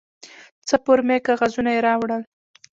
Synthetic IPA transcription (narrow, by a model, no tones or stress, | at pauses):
t͡səpoɾmekaɣazunajeɾɑwɽəl